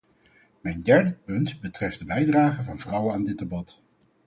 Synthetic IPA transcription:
mɛjndɛɹdəpɵntbətrɛfdəbɛjdraːχəvɑnvrʌwənaːndɪd̚dəbɑt

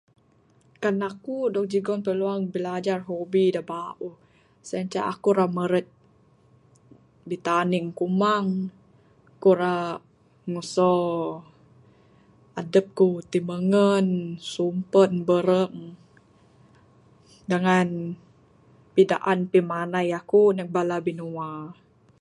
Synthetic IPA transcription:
kanakudɔk̚d͡ʒiɡɔnpəluaŋbilad͡ʒarɦobidabaʔu | saɲt͡ʃa̰ʔa̰kuɾaməɾət̪̚ | bit̪aniŋkumaŋ | kuɾa | ŋusɔ | adəp̚kut̪iməŋənsumpənbəɾəŋ | dəŋan | pida̰ʔanpimanajakunək̚balabinua

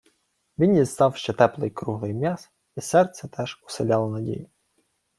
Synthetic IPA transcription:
ʋʲinjizt̪ɑwʃt͡ʃɛt̪ɛplˠɪjkɾuɦlˠɪjmʲjas | isɛrt̪sʲɛt̪ʰɛʒ̥u̥sɪlʲɑlˠɔnɐdʲḭjʊ

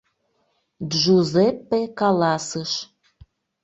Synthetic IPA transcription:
ʒuzepːekɑlɑsəʃ

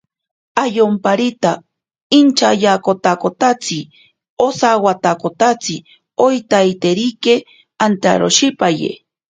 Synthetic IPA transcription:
ajompaɾit̪a | int͡ʃajakot̪akot̪at͡si | osawat̪akot̪at͡si | ojt̪ajt̪eɾike | ant̪a̰ɾo̰ʃipajḛ

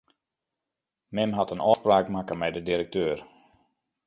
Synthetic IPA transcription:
mɪmɦatənɔːspraːkmakəmɛjdədirək̚tøːər

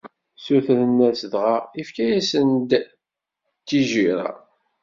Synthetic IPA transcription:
suθɾənːæsðʁɑifkæjæsənd̪ | t̪ːiʒiɾa̰

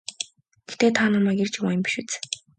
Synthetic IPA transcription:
ɡ̥et̪eːt̪ʰaːnɔmæːkert͡ɕɪmajə̆mpʲi̥ʃut͡sː

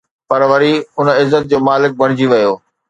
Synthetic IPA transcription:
pɐɾʋɐɾiʊnɪzːət̪̚d͡ʑoːmaːlɪk̚bɐɽ̤̃ɪd͡ʑiʋɐjoː

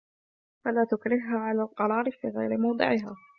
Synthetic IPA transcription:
falaːt̪ʊkɾɪhɦaːʕalaːlqɑɾˤɑːɾɪfḭːɣa̰jɾɪmɑwd̪ˤɨ̰ʕɪɦaː

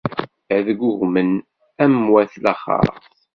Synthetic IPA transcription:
æðəɡʷʊɣmən | æmwæθlæχɑ̰ɾˤ

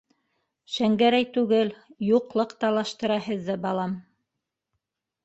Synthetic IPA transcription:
ʃæŋɡæɾæjt̪ʉɡɘljuqlˠɤqt̪ɑlˠɑʃt̪ɤ̆ɾɑhɘ̆ðːɘbɑlˠɑm

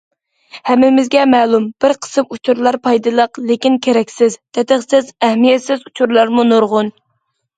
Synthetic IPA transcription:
hɛmːɪmɪzɡʲɛmɛlˠumb̥ɪɾqʰə̥sɨmut͡ʃʰuɾlˠɑɾpʰɑjd̪ɨlˠəqlekʲinkʲʰeɾɛkʲsɪzt̪ʰɛt̪əχsɪzɛhmijɛt̪sɪzut͡ʃʰuɾlˠɑɾmunoɾʁʊn

